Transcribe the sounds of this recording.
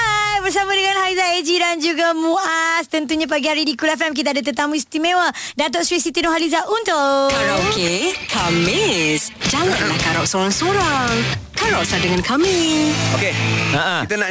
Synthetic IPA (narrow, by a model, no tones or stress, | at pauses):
ajbərs̬amadəŋãnhalizaed͡ʒidand͡ʒuɡamuast̪ənt̪uɲãp̬aɡiaɾidikulɛfɛmk̬it̪adət̪̬ət̪amũist̪imẽwə | dat̪oʔsɾisit̪inoɦalizaʔunt̪ʊokekʰamisd͡ʒaŋaʔalaŋkaɾɔʔsoɾaŋsoɾaŋkaɾɔʔsadəŋankʰamiokeaʔait̪əna